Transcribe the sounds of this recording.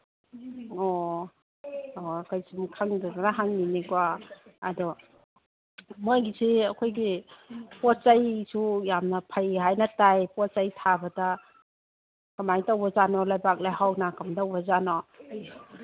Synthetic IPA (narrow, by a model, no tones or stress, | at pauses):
ɔ | okajsumkʰaŋdɔdanaɦaŋninikwaːdɔ | mojɡisiɐkʰojɡipɔt̚t͡ʃajsujamnɐpʰajɦajnɐtajpɔt̚t͡ʃajtʰabɐdɐ | kamajtawbɐzanɔlajbak̚lajɦawnakamdawbɐzanɔ